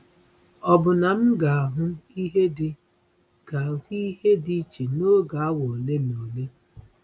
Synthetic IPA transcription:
ɔ˨bʊ˨na˨m̩˦ɡa˨a˨ɦʊ˦i˦ɦe˦dɪ˦ | ɡ̥a˨hi˦he˦di˦t͡ʃe˨no˦ɡa˨a˦wo˨le˦m˨o˨le˦

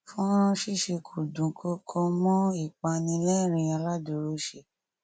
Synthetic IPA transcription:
fũ˦ɾ̃ɔ̃˦ʃi˦ʃe˧kʰu˨dũ˨kʰo˧kʰɔ˧mɔ̃˦i˦˨k͡pa˧nĩ˧lɛ˦˨ɾ̃ĩ˧a˧la˦do˧ɾo˦ʃe˧˨

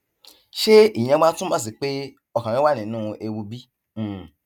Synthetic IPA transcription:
ʃe˦ĩ˨ã˧ɡ͡bã˦tũ˦mã˦˨s̬i˨k͡pe˦ | ɔ˧kã˨ɾ̃ĩ˦wa˦nĩ˨nũː˦e˧wu˧bĩ˦˨

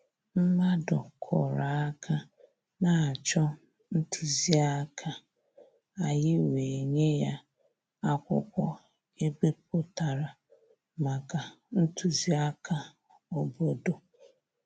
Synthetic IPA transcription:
m̩˦ma˦dʊ˨kʰɔ̰˨ɾa˨a˦kʰa˦ | na˨a˨t͡ʃɔ˦ | n̩˦tʰu˨zi˦a˦kʰa˦ | a˨jɪ˦we˨ɲe˦ja˦ | a˦kʷʊ̰˦kʷɔ˦ | e˦be˦p̚o˨ta˨ɾa˨ | ma˨ka˨ | n̩˦tu˨zi˦a˦kʰa˦ | o˨bo˦do˨

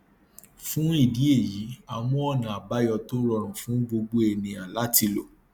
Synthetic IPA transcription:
fũ˦i˦˨di˨˦e˦˨ji˨˦a˧mɔ̃˦ɔ˦˨nã˨a˨ba˦jɔ˧to˦ɾɔ˧ɾ̃ũ˨fũ˨˦ɡ͡bo˧ɡ͡bo˦e˧˨nĩ˧a˨la˨˦ti˧lo˨

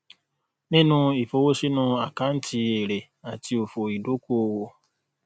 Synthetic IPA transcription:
nĩ˦nũ˦i˨fo˧wo˦ʃi˦nũ˧˦a˨ka˦n̩˦tʰi˧e˨ɾe˨ | a˨ti˧o˨fo˨i˨do˨˦ko˦˨wo˧

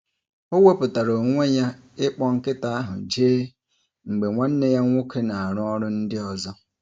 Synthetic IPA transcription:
o˦we˦pʊ˨ta˨ɾo˨ŋʷe˦ɲa˦ | ɪ˦k͡pɔ˦ŋ̩˦kɪ˦ta˦a˦ɦʊ̰˨d͡ʒeː˦ | ŋ͡m̩˨ɡ͡be˨ŋʷa˦n̩˦ne˦ja˦ŋʷʊ˦ke˦na˨a˨ɾʊ˦ɔ˦ɾʊ˦n̩˦dɪ˦ɔ˨zɔ˦

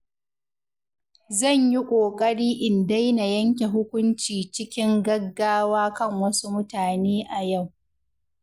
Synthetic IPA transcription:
zɐ˦˨ɲji˦kʷʼoː˨kʼɐ˦ɽiː˦ʔɪ˨nda˦jna˨jɐ˦ŋkʲe˨ɦʊ˦kʷʊ˦nt͡ʃiː˨t͡ʃɪ˦kʲɪ˦ŋɡɐ˦ɡːaː˦waː˦kɐ˦˨ŋwɐ˦su˦mʊ˦taː˨neː˦ʔa˨ja˦˨w

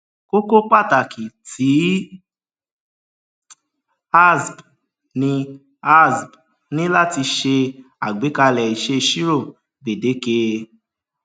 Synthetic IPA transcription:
ko˦ko˦k͡pa˦˨ta˨ki˨ti˨˦ | a˦˨sb | nĩ˧ | a˦˨sb | nĩ˦la˦˨ti˧ʃe˧a˨ɡ͡be˨˦ka˧lɛ˨i˨ʃe˦˧ʃi˦ɾo˦˨ | be˨de˨˦ke˧

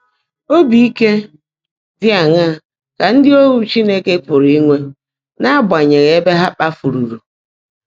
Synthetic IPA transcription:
o˦bi˨i˦ke˦ | dɪ˦a˨ŋa˦˨ | ka˨n̩˦dɪ˦o˦ɾu˨t͡ʃi˦ne˦ke˦pʊ˨ɾi˦i˦ŋʷe˦ | na˦a˦bʷa˨ɲe˨ɣe˨e˦be˦ɦa˦k͡pa˦fu˨ɾu˨ɾu˨

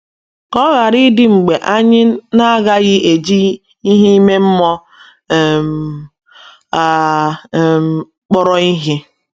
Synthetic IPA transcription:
kɔ˦ɣa˨ɾɪ˦dɪ˦ŋ͡m̩˨ɡ͡be˨ʔa˦ɲɪ˦na˦a˦ɣa˦ɣɪ˦e˨d͡ʒi˦ | i˦ɦi˦i˦me˦m̩˦mɔ˦˨ | m˨ | a˨ | m˨ | k͡pɔ˦ɾɔ˦i˦ɦi˦

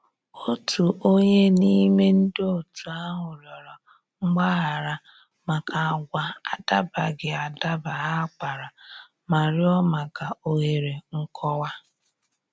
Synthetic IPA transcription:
o˦tʰu˨ʔo˦ɲe˦ni˦me˦n̩˦do˨tu˨a˦ɦʊ˨ɾjɔ˨ɾɔ˨ | ŋ͡m̩˦ɡ͡ba˦ɣa˨ɾa˦ | ma˨ka˨a˨ɡʷa˦a˨da˦ba˨ɡɪ˨a˨da˦ba˨ɦa˦k͡pa˨ɾa˨ | ma˨ɾɪ˦ɔ˦ma˨ka˨o˨ɦe˨ɾe˨ŋ̩˦kʰɔ˦wa˦

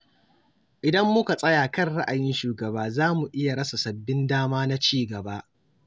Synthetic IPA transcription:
ʔɪ˨dɐ˦mːʊ˦ka˨sʼɐ˦jaː˨kɐ˦rɽa˦ʔa˨jɪ˦nʃuː˨ɡɐ˨baː˦zaː˦mu˨ʔɪ˦ja˨ɽɐ˦sa˨sɐ˨bːɪ˦ndaː˦maː˦na˦t͡ʃiː˦˨ɡɐ˨baː˦ʔ

